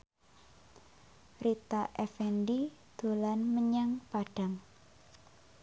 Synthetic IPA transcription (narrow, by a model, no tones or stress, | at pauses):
rit̪aʔɛfɛndid̪̥o̤lanməɲaŋpaɖ̥aŋ